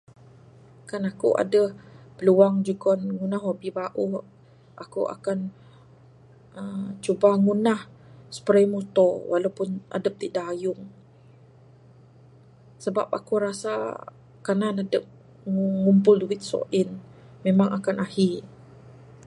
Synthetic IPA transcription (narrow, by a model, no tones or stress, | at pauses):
kanakṵʔa̰dəhpəluaŋd͡ʒukɔnŋunahwabibaʔuh | ʔakṵʔa̰kan | əmt͡ʃubaŋunah | sə̥pəɾajmut̪ɔwalawpʊnʔa̰dəp̚t̪idaʔajʊŋ | səba̰p̚a̰kuɾasa̰ | kananadəp̚ | ŋŋumpʊlduwɪt̪̚sɔ̰ʔɪn | memaŋakanahi